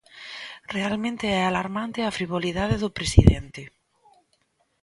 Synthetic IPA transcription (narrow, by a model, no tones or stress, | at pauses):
realmẽnt̪eɛalaɾmãnt̪eafɾiβ̞oliðaðeðopɾesḭðḛnt̪ɪ